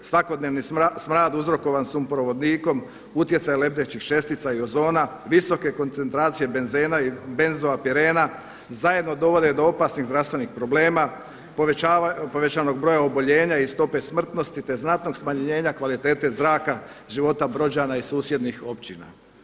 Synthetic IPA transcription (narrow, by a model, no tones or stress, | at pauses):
sʋako̞d̪neʋnismɾaːd̪uzɾo̞ko̞ʋansumpɾo̞ʋo̞d̪niːko̞m | ut̪je̞t̪sajele̞bd̪et͡ɕixt͡ʃe̞st̪it̪saio̞zo̞ːna | ʋiso̞ke̞ko̞nt̪se̞nt̪ɾaːt̪sije̞benzenabenzoapiɾe̞ːna | zaje̞d̪no̞d̪o̞ʋo̞d̪e̞d̪o̞o̞pasniɣzd̪ɾast̪ʋe̞nixpɾo̞ble̞ːma | pːpoʋe̞t͡ɕaːno̞ɡ̚bɾo̞jaobo̞ʎe̞ːɲaist̪o̞pe̞smr̩t̪no̞st̪it̪e̞znat̪no̞ɡsmaɲɲe̞ːɲakʋalit̪e̞ːt̪e̞zɾaːka | ʒiʋo̞t̪abɾo̞d͡ʑanaisuːsje̞d̪nixo̞pt͡ɕina̰